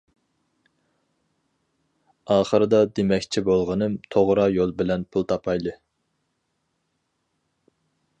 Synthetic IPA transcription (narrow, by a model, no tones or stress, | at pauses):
ɑːχəɾɨd̪ɑd̪emɛkʲt͡ʃʰibolˠʁənɨmt̪ʰoʁɾɑjolˠbɪlɛnpʰulˠt̪ʰɑpʰɑjd̪ɨ